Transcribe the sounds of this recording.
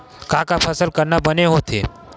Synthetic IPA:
kãːkapʰəsəlkəɾnabəneɦot̪ʰḛː

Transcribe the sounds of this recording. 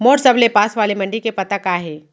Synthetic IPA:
moːʈsɐblepaːsʋaːlemɐ̃ɳɖikepɐt̪akaːɦeː

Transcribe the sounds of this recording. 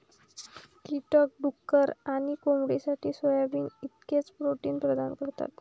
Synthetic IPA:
t̪iʈɔk̚ɖukːəɾaɽ̃ikomɽisaʈʰiːsʋəjabiːnit̪ket͡spɾoʈiːnpɾəd̪ankəɾt̪a̰t̪

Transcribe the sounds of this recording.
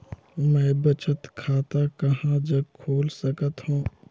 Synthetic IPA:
mɛ̃bət͡ʃət̪kʰaːt̪akɐɦãd͡ʒəɡkʰoːlsəkət̪ɦũː

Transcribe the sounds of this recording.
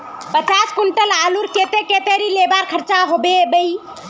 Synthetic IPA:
pət͡ʃaskunʈəlaluɾket̪eket̪eɾilebaɾkʰəɾt͡ʃaɦobebəj

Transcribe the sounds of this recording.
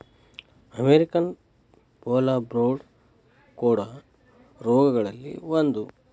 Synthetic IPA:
ɐmeɾikɐn | poːlabɾoːɖ | kuːɽɐ | ɾɔːɡɐɡɐɭɐlːḭʋond̪u

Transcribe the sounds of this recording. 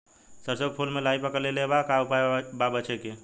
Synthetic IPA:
səɾsəɡ̚pʰulmelaipəkəɾlelebakaupaebabət͡ʃʰɛke

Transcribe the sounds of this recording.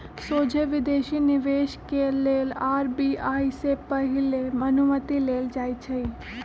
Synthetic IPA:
soːd͡ʒʱeʋɪd̪eːʃinɪʋeːʃkeleːlaːɾbiːaːisepɐɦɪlemɐnumət̪ileːld͡ʒaːit͡ʃʰɐi

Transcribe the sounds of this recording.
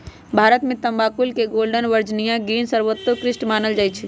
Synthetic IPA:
bʱaɾət̪mẽt̪əmbakulkeɡolɖənʋəɾd͡ʒnijãɡinsəɾʋət̪ːokɾɪsʈmanəld͡ʒaːjt͡ʃʰɛ

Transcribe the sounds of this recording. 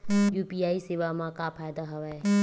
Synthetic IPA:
juːpiaːiseːʋamãkapʰaːjd̪aɦɐʋae

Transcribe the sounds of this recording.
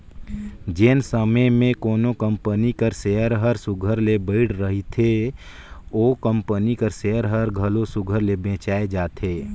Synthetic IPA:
d͡ʒɪnsəməmẽkoːnokəmpənikəɾseəɾɦəɾsʊɡʱəɾlebəɪɽɾəɦit̪ʰe | oːkəmpənikəɾseəɾɦəɾɡʱəlosʊɡʱəɾlebẽːt͡ʃaːed͡ʒaːt̪ʰeː

